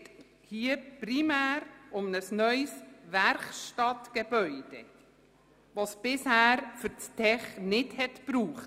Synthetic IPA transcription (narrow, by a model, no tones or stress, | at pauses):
t | hiːəprimæːɾʊmnəsnœʏsvæɾχʃtɑtɡ̥eb̥œʏd̥e | ʋosb̥ɪshæːɾfʏɾt͡stʰɛχnɪdhɛtb̥ɾuːχt